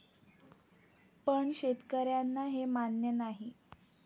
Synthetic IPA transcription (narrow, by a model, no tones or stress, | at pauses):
pəɳɕet̪kəɾjanːaɦemanjənaɦi